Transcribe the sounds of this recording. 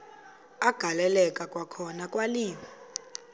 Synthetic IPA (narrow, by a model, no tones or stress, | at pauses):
aɡ̥ʱalɛlɛkʼakʼwakʰɔnakʼwaliːmi